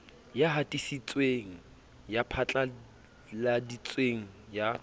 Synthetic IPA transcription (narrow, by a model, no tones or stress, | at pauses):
jaɦatʼisit͡sʼweŋ̩ | japʰat͡ɬʼa | ladit͡sʼweŋ̩ja